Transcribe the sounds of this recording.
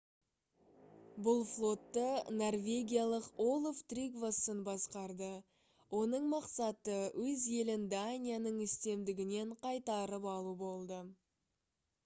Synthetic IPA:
bʊlˠflˠo̞t̪ːəno̞rvʲe̞ɡʲijalˠəqolˠoft̪rʲiɡvosənbɑsqɑɾd̪ə | wʔo̞nəɴmɑqsɑt̪əwʔɵzje̞lɪnd̪anʲijanəɴɪst̪e̞md̪ɪɡʲɪne̞ɴqʰɑjt̪ɑɾəpɑlˠubo̞lˠd̪ə

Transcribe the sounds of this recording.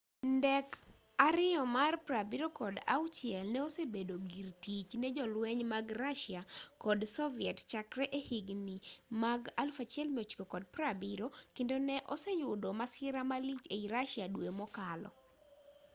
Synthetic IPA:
ndɛk | aɾɪɔmarpɾabiɾokɔda̰wt͡ʃjɛlnɛosebedoɡirtit͡ʃnɛd͡ʒɔlwɛɲmaɡraʃjakɔdsɔviɛtt͡ʃakɾɛʔehiɡnimaɡalfat͡ʃjɛlmiot͡ʃi̥kokɔd̚pɾabiɾokendonɛʔɔsɛjʊdɔmasɪɾamalit͡ʃeiɾaʃjadwemɔkalɔ̰

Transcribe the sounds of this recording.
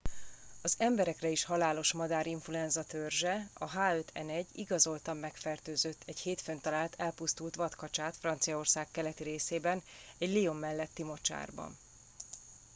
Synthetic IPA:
ɒzɛmbɛɾɛkrɛiʃhɒlaːlo̞ʃmɒd̪aːɾiɱfluɛnzɒt̪ørʒɛɒɦaːøt̪ʰɛ̰nɛɟːiɡɒzo̞lt̪ɒmːɛkfɛrt̪øːzøt̪ʰːɛɟheːt̪fø̞nt̪ɒlaːlt̪ʰɛlpust̪ult̪ʋɒt̪kɒt͡ʃaːt̪frɒnt̪sijɒo̞rsaːkkːɛlɛt̪iɾeːseːbɛnɛɟliomːɛlːɛt̪ːimo̞t͡ʃa̰ːrbɒ̰n

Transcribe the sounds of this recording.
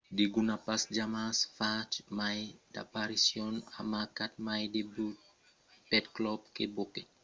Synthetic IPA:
diɡunapasd͡ʒamasfat͡ʃmajda̰paɾisjɔna̰makat̚majdebu | pɛtklɔp̚kebokɛ

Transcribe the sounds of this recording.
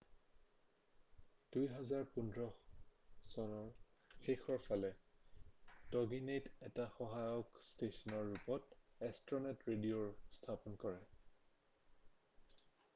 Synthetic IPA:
d̥ujɦazaɹpundʱɹɔ | sɔnɔɹxexɔɹpʰalɛ | dɔɡinetɛtaxɔɦajɔkstesɔnɔɹːupɔtɛstɔnɛtɹedioɹstʰapɔnkɔɹɛ

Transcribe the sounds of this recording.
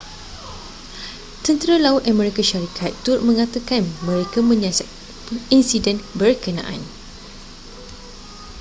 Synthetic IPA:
t̪ənt̪əɾalaut̪̚amɛɾikaʃaɾikʰat̪ːʊt̚mə̃ŋat̪akanmə̃ɾekamə̃ɲãsat̪ | insidɛnbərkənã̰ʔã̰n

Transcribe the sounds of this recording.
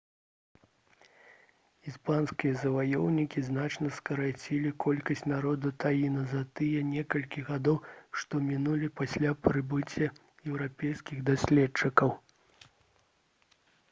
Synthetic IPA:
ispanskʲijɐzɐvajɔwnʲikʲiznat͡ʂnɐskɐɾat͡sʲilʲikɔlʲkɐsʲt͡sʲnaɾɔd̪ut̪ajinɐzɐt̪ɨjɐnʲɛkɐlʲkʲiɣad̪ɔwʂt̪ɔmʲinulʲipasʲlʲapɾɨbɨt͡sʲːɐ | jɛwɾapʲɛjskʲiɣd̪asʲlʲɛt͡ʂɨkɐw

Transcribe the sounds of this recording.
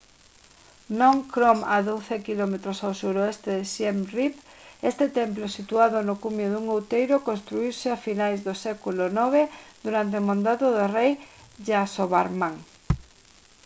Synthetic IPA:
nõŋkɾomaðowθekilɔmet̪ɾosawsuɾoest̪eðɪʃemripest̪et̪ɛmplosit̪uaðonʊkuɲoðuŋowt̪ejɾʊkõnst̪ɾuiwsɪafinajzðosɛkulonɔβ̞ed̪uɾant̪̬eomõnd̪aðoðorejʒasoβaɾmaŋ

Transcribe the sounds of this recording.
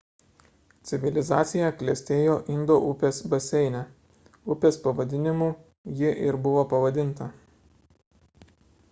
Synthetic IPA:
t̪sʲɪʋʲɪlʲɪzɑːt̪sʲɪjɛklʲɛsʲt̪ʲeːjoːʔɪnd̪oːʔʊpʲeːsbɐsʲɛɪnʲɛ | ʊpʲeːspɐʋɐd̪ʲɪnʲɪmuː | jɪʔɪɾbʊʋoːpɐʋɐd̪ʲɪnˑt̪ɐ

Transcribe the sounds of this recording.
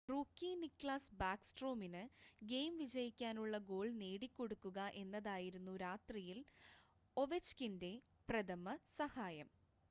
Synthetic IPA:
ruːkːiːnikːɭaːsbaːksʈro̞ːminɨɡe̞ːjmʋid͡ʑɐjikʲːaːnuɭːɐɡo̞ːɭne̞ːɽikʲːo̞ɽukːuɣɐʔe̞nːɐðaːjiɾunːuɾaːt̪rijil | o̞ʋet͡ɕkinde̞ | prɐðɐmɐsɐhaːjɐm

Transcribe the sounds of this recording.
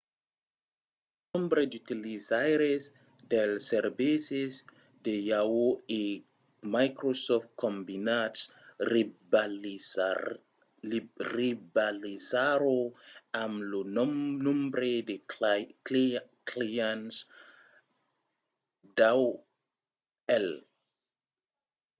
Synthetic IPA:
nɔ̃mbɾeditilisajɾes | dɛlsɛrbises | dejawoe | majkɾosɔft̚kʰɔ̃mbinats | ribalisaɾoamlonnɔ̃mbɾede | klijãns | daw | ɛl

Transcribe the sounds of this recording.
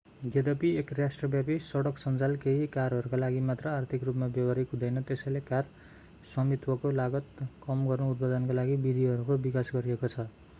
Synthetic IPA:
ɡed̪ʌpiekrasʈrʌbjapisʌɽʌksʌnd͡zalkeɦikaɾɦʌɾukalaɡimat̪rʌart̪ʰikrupmabjʌbaɾikɦũd̪ʌjnʌt̪esʌjlekar | sʌmit̪wʌkolaɡʌt̪kʌmɡʌrnout̪̚pad̪ʌnkalaɡibid̪ʱiɦʌɾukobikasɡʌɾiekot͡sʰʌ

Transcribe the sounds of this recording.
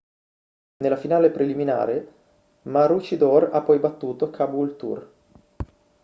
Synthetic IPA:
nelafinaːlepɾelimina̰ːɾe | maɾut͡ʃid̪ɔɾa̰pːɔjbat̪ːuːt̪okʰabuilt̪ṵr

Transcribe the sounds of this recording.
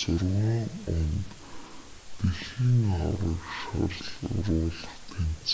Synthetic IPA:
sʊrwiːʊnt̪ː | iɮiːŋɔɾiːkʃɔ̰rɮʊ̰rʊːɮə̆χt̪ʰen̥t͡s

